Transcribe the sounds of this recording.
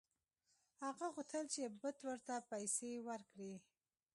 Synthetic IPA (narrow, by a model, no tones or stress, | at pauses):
haɣaɣut̪ʰəlt͡ʃebət̪wəɾt̪apajsewəɾkɽi